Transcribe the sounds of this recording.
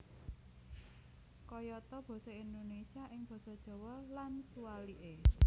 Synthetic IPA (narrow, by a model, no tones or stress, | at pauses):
kɔjɔt̪ɔb̥ɔ̤sɔind̪onesiaʔɪŋb̥ɔ̤sɔd̥ʒ̥ɔ̤wɔlansuwaliʔe